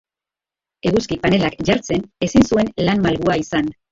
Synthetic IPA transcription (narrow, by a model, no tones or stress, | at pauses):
e̞ɣuskipane̞lakʝaɾt͡se̞ne̞sinsue̞nlanmalɣuaisan